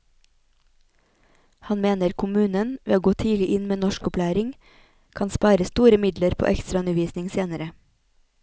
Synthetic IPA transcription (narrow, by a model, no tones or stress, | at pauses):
hɑnmeːnəɾkʰʊmʉːnənʋḛːoːɡoːt̪ʰiːlɪʔɪnmeːnɔʃkʊpʰlæːɾɪŋ | kʰɑnspɑɪɾəst̪uːɾəmɪd̪ləɾpʰo̰ːʔɛkst̪ɾɑʉnəʋiːsnɪŋseːnəɾə